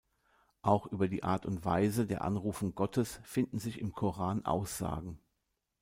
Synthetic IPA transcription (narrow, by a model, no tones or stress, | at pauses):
ʔaʊxʔyːbɐdiːʔa̰ːɐtʊntv̥aɪzədeːɐʔa̰nʁuːfʊŋɡɔtʰəsfɪndn̩zɪçɪmkʰoʁaːnʔa̰ʊsz̥a̰ːɡŋ̩